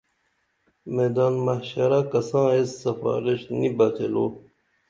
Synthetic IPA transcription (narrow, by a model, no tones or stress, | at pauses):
meːd̪aːnmɐhɕɐɾakɐsãːesːɐfɑ̰ːɾiɕnibɐq̪ʰelo̰ː